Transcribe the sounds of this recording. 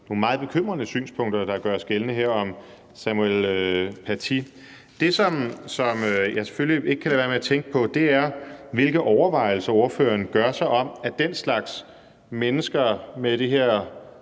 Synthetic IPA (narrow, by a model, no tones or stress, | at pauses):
no̝mɑ̈ːð̞̩ˠb̥e̝kʰøm̰ʁɐnəsy̰ːnspʰɔ̽ŋ̰d̥ɐd̥ɑ̈ɡ̥ɶɐsɡ̥elənəɦeɐ̰ɒ̽m | sæmuelpʰæt͡sʰi | d̥e̝sɒ̽msɒ̽møjɑse̥føllie̝ɡ̥ə̥kʰælæʋæɐmeæt͡sʰeŋɡ̥əpʰɒ̽d̥e̝æɐʋe̝lɡ̥ð̩ˠʔɒʊɐʋɑ̈ɪ̰l̩sɐo̝ɐfø̰ːɐnɡ̥ɶɐsɑ̈ɪʔɒ̽m̰æd̥enslɑ̈ɡ̥s | menəsɡ̥ɐmed̥iɦeɐ̰